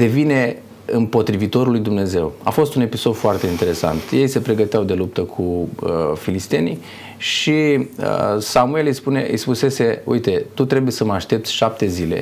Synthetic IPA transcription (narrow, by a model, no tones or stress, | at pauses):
d̪e̞vine̞ | ɨmpo̞t̪ɾivit̪o̞ɾulujd̪umne̞ze̞wafo̞st̪une̞piso̞d̪foart̪e̞int̪e̞ɾe̞sa̰nt̪je̞jse̞pɾe̞ɡət̪eawd̪e̞lup̚t̪əkʰuəfilist̪e̞ni | ʃiəsamue̞lɨjspune̞̰ʔɨ̰jspuse̞se̞ṵjt̪e̞t̪ut̪ɾe̞buje̞səməaʃt̪e̞p̚t̪sʲʃap̚t̪e̞zile̞̰